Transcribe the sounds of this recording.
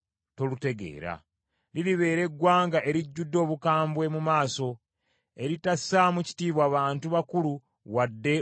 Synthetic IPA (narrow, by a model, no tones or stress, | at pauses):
to̞lute̞ɡe̞̰ːɾa̰ | liliβe̞ːɾe̞ɡːwaːŋɡaʔe̞ɾiɟːudːo̞ːβukaːmbwe̞mumaːso̞ | e̞ɾitasamuci̥tiːβwaːβaːntuβakulu | wadːe̞